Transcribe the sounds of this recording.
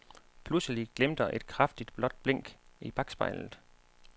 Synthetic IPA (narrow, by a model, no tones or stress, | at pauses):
pʰlusəliɡ̥lem̰d̥əʔe̝d̥̚kʰʁafd̥id̥b̥lɒ̽d̥̚b̥leŋ̰ɡ̥ib̥ʰɑ̈ɡ̥sb̥ɑ̈ɪ̰lð̩ˠ